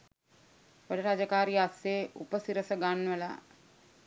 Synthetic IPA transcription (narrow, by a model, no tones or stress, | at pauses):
ʋəɖəɾad͡ʒəkaːɾiaseːʔupəsiɾəsəɡanʋəla̰